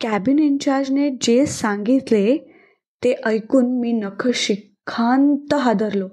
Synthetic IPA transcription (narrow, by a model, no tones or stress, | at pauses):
kæbiniɲt͡ɕaɾd͡ʑned͡ʑesãŋɡit̪le | t̪eʔəjkuːnmiːnəkʰəɕikʰːant̪əɦad̪əɾlo